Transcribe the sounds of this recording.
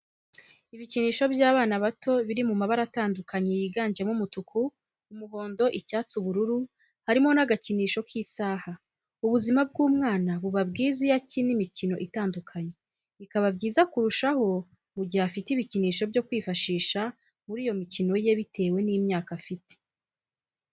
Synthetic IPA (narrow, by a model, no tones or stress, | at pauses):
iβiciniːʃo̞bjaːβaːnaβato̞βiɾimumaβaɾataːndukʰaɲejiɡaːɲd͡ʒemumutukʰuː | muɦo̞ːndo̞ʔicaːt͡suβuɾuɾu | haɾimo̞naɡaciniːʃo̞kʰiːsaːha | uβuzimab̚ɡuːmŋaːnaβuβab̚ɡiːzijacinimicino̞ʔitaːndukʰaɲe | ikaβabɟiːzakuɾuʃaho̞ | muɟihafitiβiciniːʃo̞bjo̞kwiːfaʃiːʃa | muɾiːjo̞micino̞je̞βitʰe̞ːwe̞nimɲaːkafite̥